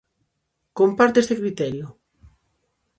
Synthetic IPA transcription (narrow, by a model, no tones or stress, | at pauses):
kompaɾt̪est̪ekɾit̪ɛɾjʊ